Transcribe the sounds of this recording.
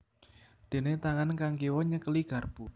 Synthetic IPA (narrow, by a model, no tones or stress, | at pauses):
d̪̥e̤net̪aŋankaŋkiwɔɲəkəliɡ̥ä̤rb̥u